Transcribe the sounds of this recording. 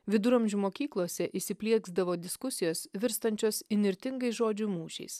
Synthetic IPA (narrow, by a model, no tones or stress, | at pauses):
ʋʲɪd̪ʊɾɐmʲʒʲumoːkʲiːklˠoːsʲɛʔɪsʲɪpʲlʲiɛɡzd̪ɐʋoːd̪ʲɪskʊsʲɪjoːsʋʲɪɾst̪ɐnʲt͡ʃʲoːsɪnʲɪɾʲt̪ʲɪŋɡɐɪʒoːd͡ʒʲʊmuːʃʲɛ̰ɪs